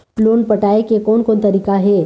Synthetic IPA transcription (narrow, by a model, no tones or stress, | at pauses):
lonpəʈaekekonkont̪əɾiːkaɦe